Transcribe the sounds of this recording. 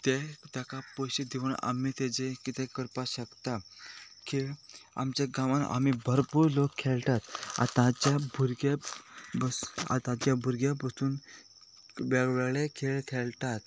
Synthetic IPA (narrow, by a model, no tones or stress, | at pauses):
t̪et̪jakapoɕid̪ʱeʋuna̰miːt̪ed͡zekit̪ẽkəɾpaɕəkt̪akʰeɭa̰mt͡ɕaɡãʋãna̰mibʱəɾpuːɾlokʰːɛɭt̪at̪a̰t̪ãt͡ɕabʱuɾɡaba̰t̪ãt͡ɕjabʱuɾɡjabəsuːn | ʋeɡʋeɭekʰeɭkʰeɭt̪at̪